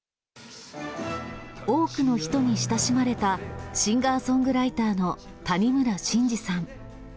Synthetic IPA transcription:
o̞ːkɯ̟no̞çi̥t̪o̞ɲ̟iɕi̥t̪aɕimaɾe̞t̪aɕĩŋɡaːsõ̞ŋɡɯ̟ɾait̪aːno̞ | t̪aɲ̟imɯ̟ɾaɕĩɲd͡ʑisãŋ

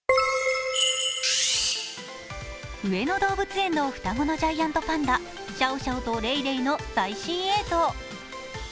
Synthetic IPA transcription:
ɯ̟e̞no̞d̪o̞ːbɯ̟t͡sɨẽ̞nːo̞ɸɯ̟̥t̪aɡo̞no̞ʑaijãnt̪o̞pãnd̪a | ɕaoɕaot̪oɾe̞iɾe̞ino̞saiɕĩɰ̃e̞ːt̪o̞ː

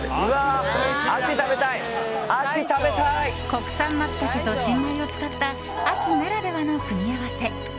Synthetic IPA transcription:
aakʲit̪abet̪aiakit̪abet̪aiko̞kɯ̟̥sãmːat͡sɨ̥t̪akɯt̪o̞ɕĩnd̪aio̞t͡sɨ̥kat̪ːa | akʲinaɾad̪e̞βano̞kɯ̟mʲiaβase̞

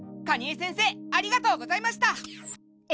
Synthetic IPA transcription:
kaɲ̟iesẽse̞ːaɾʲiɡat̪o̞ːɡo̞zaimaɕi̥t̪a

